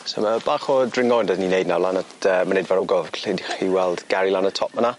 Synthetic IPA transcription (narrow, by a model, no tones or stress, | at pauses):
so̰mabaːχɔdrɪŋɔndədninejdnawlˠanə | əmanejdvaɾɔɡɔvkʰɬedχiwɛlˠd̥ɡ̥aɾilanətʰɔp̚mana